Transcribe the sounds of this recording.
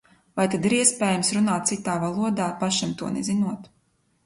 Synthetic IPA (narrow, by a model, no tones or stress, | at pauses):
vajt̪ad̪iɾiɛspʲeːjamsɾunaːt̪t̪sit̪aːvalˠuɔd̪aːpaʃimt̪uɔnezinuɔt̪